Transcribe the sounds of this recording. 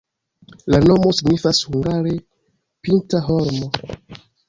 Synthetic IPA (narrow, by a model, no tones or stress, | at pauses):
lano̞mo̞siɡnifashuŋɡaɾe̞ | pintaɦo̞ɾmo̞